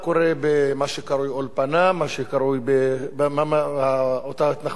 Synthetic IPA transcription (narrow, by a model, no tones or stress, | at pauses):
koʁebemaʃekaɾujolpanamaʃekaɾujbebmaaaot̪at̪na